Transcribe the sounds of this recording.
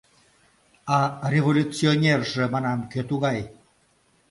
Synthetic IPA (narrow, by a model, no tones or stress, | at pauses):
ɑrʲevolʲut͡sionʲerʒĕmɑnɑmkøt̪uɣɑj